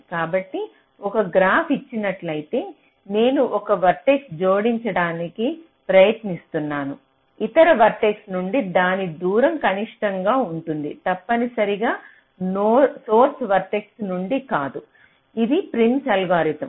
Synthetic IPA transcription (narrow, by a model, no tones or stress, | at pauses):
kaːbɐʈːi | ɔkɐɡɾaːpʰit͡ʃːinɐʈlɐjt̪e̞ː | ne̞ːnuʔɔkɐʋɐɾʈeksd͡ʒoːɽiɲt͡ʃɐɽaːniki | pɾɐjɐt̪nist̪unːaːnu | it̪ɐɾɐʋɐɾʈeksnuɳɖid̪aːnid̪uːɾɐmkɐniʂʈɐŋɡaːuɳʈund̪it̪ɐpːɐnisɐɾiɡaː | noːsoːɾsʋɐɾʈeksnuɳɖikaːd̪u | id̪ipɾiɳsɐlɡaːɾit̪ɐm